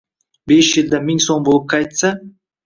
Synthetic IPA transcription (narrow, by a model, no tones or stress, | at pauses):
be̞ʃjɪld̪amɪŋsombolˠɪp̚kʲʰɑjt̪sa